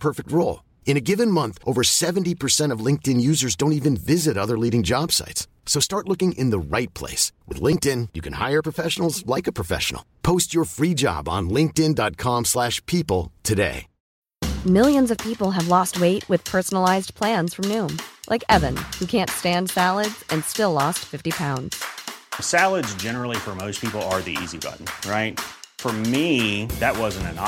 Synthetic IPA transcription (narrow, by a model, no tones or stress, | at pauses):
pʰɜ˞fɨk̚t̚ɹoʊlˠ | ɨ̃ñɨɡɪvɨ̃nmʌ̃nθʔoʊvə˞sɛvntipʰə˞sɛ̃ɾ̃ʌvlɪ̃ŋk̚tɨ̃njʉzə˞zdõʊ̃ntivɨ̃nvɪzɨɾʌðə˞liɾɪ̃ŋd͡ʒɑb̥sa̰ɪts | soʊstɑɹtˡlʊkɪ̃ŋʔɨ̃nðəɹaɪt̚pʰl̥ḛɪswɨ̰ðlɪ̃ŋk̚tɪ̃njɨkʰɨ̃n̩ha̰ɪə˞pʰɹ̥əfɛʃn̩l̩ˠzlaɪkɨpʰɹ̥ɨfɛ̰ʃn̩̰l̩ˠpʰoʊst͡ʃə˞fɹid͡ʒɑ̰b̃n̩lɪ̃ŋk̚tɪ̃ndɑt̚kʰɑ̃mslæʃpʰipl̩ˠtʰɨdḛɪ | mɪlˠjɨ̃nzʌv̥pʰipl̩ˠɨvlɔst̚weɪʔ̚wɨð̥pʰɜ˞sn̩l̩aɪzpʰl̥æ̃nz̥fɹʌ̃mnʉ̃mlʔa̰ɪkɛvɨ̃nhʉkʰæ̃ntstæ̃nd̥sælˠədz̥ɨ̃nstɪlɔstfɪftipʰãʊ̃ndz̥sælˠədzd͡ʒɛnə˞l̩ˠifə˞moʊspʰipl̩ˠə˞ðḭḭzibʌ̰ʔn̩ɹaɪt̚fə˞miðɨʔ̚wʌzɨ̃n̩tɨ̃n